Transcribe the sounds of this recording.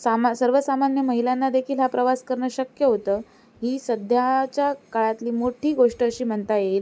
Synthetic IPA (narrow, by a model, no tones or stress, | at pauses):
samasəɾʋəsamanjəməɦilanːad̪ekʰiːlɦapɾəʋaskəɾɳaɕəkjəɦot̪əː | ɦiːsəd̪ʱjat͡ɕjakaɭat̪liːmoʈʰiːɡoʂʈəəɕiːm̤əɳt̪ajel